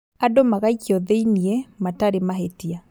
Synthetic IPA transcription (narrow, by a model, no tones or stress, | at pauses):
adomaɣaikiɔðeiniɛmataɾemaɦetia